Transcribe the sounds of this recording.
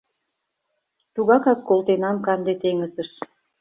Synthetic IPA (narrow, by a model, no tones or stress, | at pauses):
t̪uɣɑkɑkːolˠt̪enɑmkɑnd̪et̪eŋəsə̆ʃ